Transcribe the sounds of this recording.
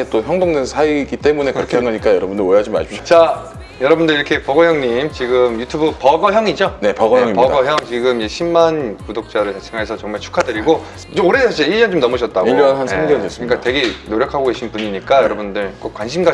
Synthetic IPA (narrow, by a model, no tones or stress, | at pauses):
et͈oçjʌŋdoŋdwensʰaiɡit͈e̞mune̞kɯɾʌkʰeaŋɡʌɲik͈ajʌɾʌbundɯɾoɦad͡ʑima̰ɕʰit͡ɕa | jʌɾʌbundɯɭiɾʌkʰe̞pʌɡʌjʌŋɲimt͡ɕiɡɯmjutʰubupʌɡʌɦjʌŋid͡ʑone̞pʌɡʌjʌŋimpʌdaɡʌɦjʌŋt͡ɕiɡɯmjeɕʰimːankudok̚t͡ɕ͈aɾɯɭt͡ɕasʰeŋaesʰʌt͡ɕʌŋmaɭt͡ɕʰu̥kʰadɯɾiɡo | t͡ɕomoɾed͡ʑeiɭjʌnt͡ɕomnʌmʌɕ̬ʰʌt̚t͈aɡijʌnɦansaŋɡeɾɯdes͈ɯik͈atwe̞ɡenoɾjʌkʰaɡoɡe̞ɕʰinpuɲiɲik͈ajʌɾʌbundɯɭk͈ok͈̚wanɕʰimɡa